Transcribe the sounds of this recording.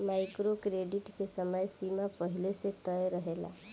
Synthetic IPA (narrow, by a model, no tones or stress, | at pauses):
majkɾokɾeɖiʈkesəməjsimapəɦilesẽt̪əjɾəɦela̰